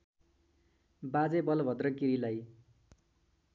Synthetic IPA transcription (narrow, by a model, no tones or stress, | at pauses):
bad͡zebʌlbʱʌd̪rʌkiɾilaj